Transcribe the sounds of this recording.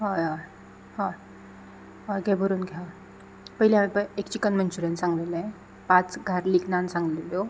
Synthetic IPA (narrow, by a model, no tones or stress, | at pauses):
ɦãjã | ɦã | ɦãɡɛbʱəɾuːnɡʱɛ | pəɦilampəekt͡ɕikənmənt͡ɕuɾjãnsãŋɡlelɛ̃ | pat͡sɡʱaɾliknansãŋɡleljo